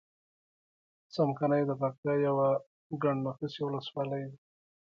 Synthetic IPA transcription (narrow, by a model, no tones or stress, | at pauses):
samkanajd̪əpak̚t̪ajawa | ɡaɳnakisiwʊləswɑlajd̪i